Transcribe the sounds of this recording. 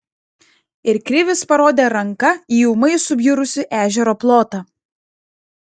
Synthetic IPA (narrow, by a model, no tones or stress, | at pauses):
ɪɾkɾʲɪʋʲɪspɐɾoːd̪ʲeːɾɐŋkɐiːjumɐɪsʊbʲjʊɾʊsʲɪʔæːʒʲɛɾoːplˠoːt̪ɑ